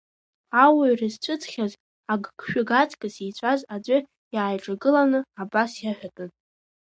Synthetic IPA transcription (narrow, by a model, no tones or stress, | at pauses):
awarɨzt͡ɕʷʰʼɨt͡sʰʼχʲaz | aɡkʰʃᶣʊɡat͡sʰʼkʼɨsejt͡ɕʷʼazad͡ʑʷɨ | jaːjʈ͡ʂʼaɡɨlanɨabasjaħᶣatʼɨn